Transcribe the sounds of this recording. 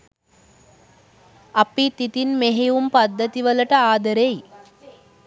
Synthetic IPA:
ɐpːit̪ːit̪inmeɦeʋumpɐd̪ːɐt̪iʋɐlɐʈɐaːd̪ɐɾej

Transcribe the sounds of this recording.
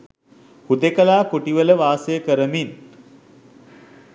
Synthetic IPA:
hud̪ekəlaːkoʈiʋələʋaːsejəkəɾəmin

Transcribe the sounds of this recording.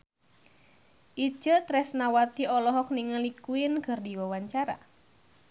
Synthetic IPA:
ʔi̥d͡ʒət̪ɾɛsnawat̪iɔlɔɦɔk̚niŋalikuɪnkərdiwawaɲt͡ʃaɾa̰

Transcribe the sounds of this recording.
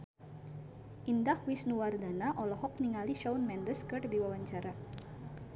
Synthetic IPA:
ʔindahwisnuwardanaʔɔlɔɦɔk̚niŋaliʃɔwnmɛndəskərdiwawaɲt͡ʃaɾa

